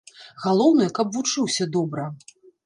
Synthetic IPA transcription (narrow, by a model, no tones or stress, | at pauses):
ɣalˠɔwnɨjɛkɐbvut͡ʂɨwsʲɐd̪ɔbɾɐ